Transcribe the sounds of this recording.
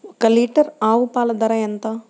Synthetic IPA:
kɐliːʈɐɾaːʋupaːlɐd̪ɐɾɐjɐnt̪ɐ

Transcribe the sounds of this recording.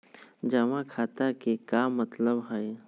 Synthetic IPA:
d͡ʒɐmãkʰaːt̪akekaːmːɐt̪ləbɦəj

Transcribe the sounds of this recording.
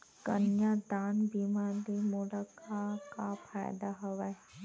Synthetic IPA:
kə̰njad̪aːnbimalimoːɽakakapʰaːjd̪aɦɐʋae

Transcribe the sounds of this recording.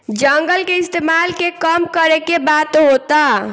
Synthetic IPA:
d͡ʒəŋɡəlkeɪst̪emalkekəmkəɾekebat̪ɦot̪a

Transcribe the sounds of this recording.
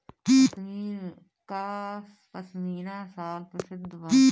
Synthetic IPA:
kiːiːn | kaːs | pəsmiːnaːsaːlpəsɪd̪ʋiː

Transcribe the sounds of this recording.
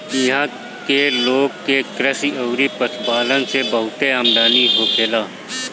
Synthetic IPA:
ɦã | keloːɡkekɾəsiəːɾipət̪ʰbaːlənsebəɦʊt̪eaːmd̪aːniɦoːkʰeːlaː

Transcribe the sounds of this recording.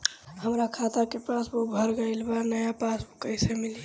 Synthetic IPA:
həmɾakʰat̪akepasbubʱəɾɡəɪlbanəjapasbukəɪsemili

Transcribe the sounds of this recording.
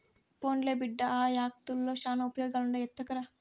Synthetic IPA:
poːnleːbiɖːɐaːjaːk̚t̪ulːoːʃaːnɐupɐjoːɡaːluɳɖɐjɛt̪ːɐkɐɾa

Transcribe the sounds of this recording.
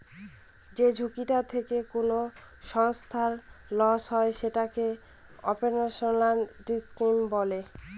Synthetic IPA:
d͡ʑed͡ʑʱukiʈat̪ʰekekono | ʃɔŋst̪ʰaɾlɔʃɦɔeʃeʈake | ɔ̰peɾnaʃonlanʈiskimbɔle

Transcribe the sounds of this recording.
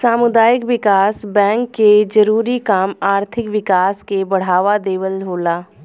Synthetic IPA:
saːmʊd̪aːjɪkʋɪkaːsbɛ̃ːŋkːed͡ʒɐɾuːɾikaːmaːɾt̪ʰɪkʋɪkaːskebɐɽ̤aːʋad̪eːʋəlɦoːlaː

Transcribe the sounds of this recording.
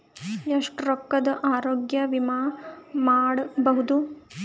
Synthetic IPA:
eʂʈɾokːɐd̪ɐʔaːɾoːɡjɐʋimaːmaːɽbɐɦud̪u

